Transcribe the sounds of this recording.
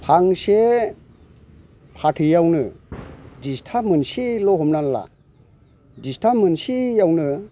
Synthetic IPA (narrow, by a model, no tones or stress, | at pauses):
pʰaŋse | pʰatʰɯjawnɯ | distʰamɯnsilɔɦɔmnanla̰ | distʰamɯnsijawnɯ